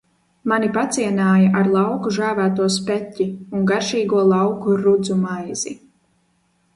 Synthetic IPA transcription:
manipat̪siɛnaːjaʔaɾlˠɑwkuʒæːvæːt̪uɔs̬pɛtʲːiuŋɡaɾʃiːɡuɔlˠɑwkuɾud̪zumajz̥i

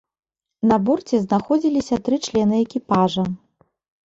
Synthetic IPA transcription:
nɐbɔrt͡sʲɛznaxɔd͡zʲilʲisʲɐt̪ɾɨt͡ʂlʲɛnɨɛkʲipaʐɐ

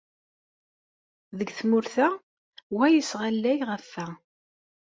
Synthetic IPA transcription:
ðəɡθmʊɾθæ | wæjəsʁalːæjʁəfːæ

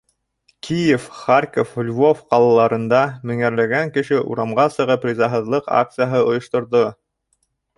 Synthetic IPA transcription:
kʲʰijefχarʲkoflʲvofqɑlˠɑlˠɑɾɤ̆nd̪ɑmɵ̆ŋæɾlæɡæŋkɘ̆ʃɘʔṵɾɑmʁɑsɤ̆ʁɤprʲizɑɦɤ̆ðlˠɤqa̰k̚t̪sɨjaɦɤŏjŏʃt̪ŏɾðo

